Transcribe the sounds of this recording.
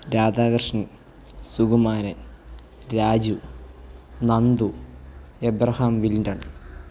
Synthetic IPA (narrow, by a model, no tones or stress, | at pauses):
ɾaːdaːɡrɨʂnɐ | suɡumaːɾɐn | ɾaːd͡ʑu | nɐnd̪u | ebɾɐhaːmʋilndɐɳ